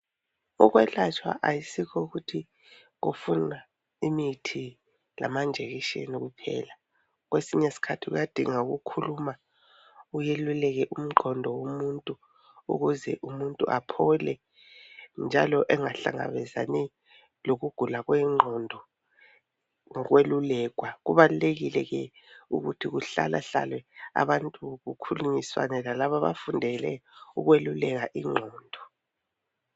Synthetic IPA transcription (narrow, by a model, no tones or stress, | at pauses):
uɣ̬wɛɬat͡ʃʰʼwa̰ʔajisikʰɔuɣutʰi | ɣufuna | imitʰi | la̰mand͡ʒʱeɣiʃḛniɣupʰɛ̰ːla | ɣwesiɲesi̥kʰatʰiɣṵjad̥ʱiŋauɣukʰuluma | ujelulɛɣ̬ɛʔum̩ɡ͡ǃʱɔndʱɔwomuntʼu | ṵɣuzɛʔumuntʼṵʔapʰɔlɛ | nd͡ʒʱalɔʔɛŋaɬa̰ŋa̰βɛza̰nɛ | loɣuɡ̥ʱulaɣwɛŋ͡ǃʱɔndʱɔ | ŋɔɣwelulɛɣwaɣuβaluleɣilɛɣɛ | ṵɣutʰiɣuɬa̰laɬa̰lwɛa̰βantʼuɣukʰuluɲiswa̰nɛlalaβaβa̰fundʱɛlɛuɣwelulɛɣaʔiŋ͡ǃʱɔːndʱɔ